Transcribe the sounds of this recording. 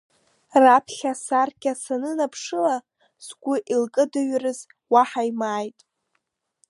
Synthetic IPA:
rapʰɬʲasarɡʲʼasanɨnapʰʂɨla | sɡʷʊʔilkʼɨdɨɥrɨz | waħaimaːjtʼ

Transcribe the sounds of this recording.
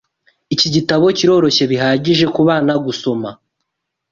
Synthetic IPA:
iciɟitaβo̞ciɾo̞ːɾo̞çe̞βiɦaːɟiʒe̞kuβaːnaɡuso̞ma

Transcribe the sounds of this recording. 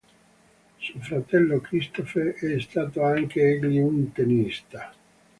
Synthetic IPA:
suofɾat̪ɛlːokɾist̪ofeɛst̪aːt̪oaŋkeɛɡliunt̪enist̪a

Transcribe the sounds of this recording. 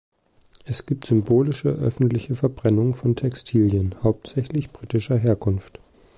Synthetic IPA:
ʔɛsɡ̥iːp̚tz̥ʏmboːlɪʃə̰ʔœ̰fn̩tlɪçəfɛɐbʁɛnʊŋfɔntʰɛkstʰiːljənhaʊp̚tz̥ɛçlɪçb̥ʁiːtɪʃɐɦeːɐkʰʊnft

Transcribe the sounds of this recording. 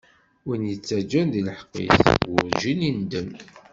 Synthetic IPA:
injət͡sːæd͡ʒːænðiləħqːḭθwʊɾʒinind̪əm

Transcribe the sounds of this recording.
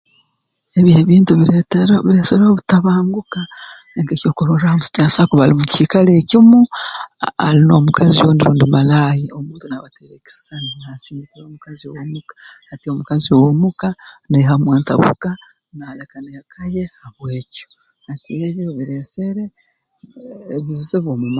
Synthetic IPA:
e̞βjeːβiːntuβiɾeteɾoβiɾe̞ːseɾoβutaβaːŋɡuka | eŋkeco̞ːkoɾoɾahamuci̥caːsakuβalimuciːkaleːcimu | a̰ɾino̞ːmukʰazijondiɾuːndimalaːjiomuːntunaβateɾeki̥saniasiːndikiɾoːmukaziowomukḁ | atio̞mukaziowomukaneɦamweːnta̰βṵka | nalekanehakʰajehaβweːco | hatieβjoβiɾeseɾe | βizizeβwomum

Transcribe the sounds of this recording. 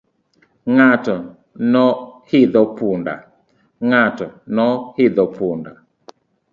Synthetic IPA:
ŋatɔ | nɔhiðɔpunda̰ | ŋatɔnɔhiðɔpunda

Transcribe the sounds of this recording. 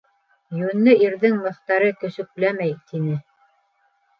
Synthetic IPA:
jʉ̆nːɘiɾðɘŋmɤ̆θt̪ɑɾɤkɵ̆sɵ̆k̚læmæjt̪inɘ

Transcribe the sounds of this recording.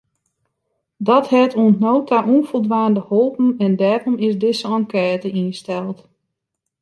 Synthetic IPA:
dɔthɛtʰuəntnoːtʰaʔunfolˠdʋaːndəholˠpn̩ɛndɛːɾɔmɪzdɪsəɑŋkɛːtəinstɛlˠt

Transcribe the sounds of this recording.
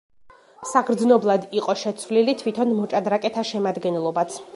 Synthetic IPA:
saɡɾd̪znɔblˠad̪iqʼɔʃɛt̪sʰvlilit̪ʰwit̪ʰɔnmɔt͡ʃʼad̪ɾakʼɛt̪ʰaʃɛmad̪ɡɛnɛlˠɔbat̪sʰ

